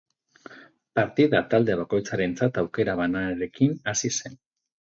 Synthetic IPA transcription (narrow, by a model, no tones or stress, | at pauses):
paɾt̪iðat̪ald̪e̞β̞ako̞jt͡saɾe̞nt͡sat̪awke̞ɾaβanaeɾe̞kinasise̞n